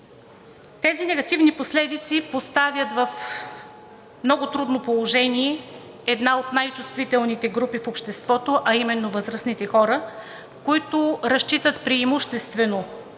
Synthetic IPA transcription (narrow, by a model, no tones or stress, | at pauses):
t̪ɛzinɛɡɐt̪ivniposlɛd̪it̪sipost̪avjət̪vɐf | mnɔɡʊt̪ɾud̪nopolˠoʒɛniɛ | ɛd̪naot̪najt͡ʃust̪vit̪ɛlˠnit̪ɛɡɾupifopʃt̪ɛst̪vɔt̪oʔɐimɛnːovəzɾəsnit̪ɛxɔɾə | koit̪oɾɐʃt͡ʃit̪ət̪pɾiːmuʃt̪ɛst̪vɛno